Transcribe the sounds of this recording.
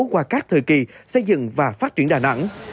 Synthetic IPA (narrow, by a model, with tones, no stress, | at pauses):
kwaː˧˩kaː˦˥k̚t̪ʰɨ̰˨ki˨˩sə˧jzɨ̰˧˨ŋvaː˨˩faː˦˥t̚t͡ɕi˧˩ənɗaː˨˩na̰˧˥ŋ